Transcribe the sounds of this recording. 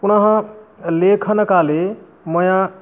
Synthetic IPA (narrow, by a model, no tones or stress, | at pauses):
kunəɦə̃lekʰənkale | məjã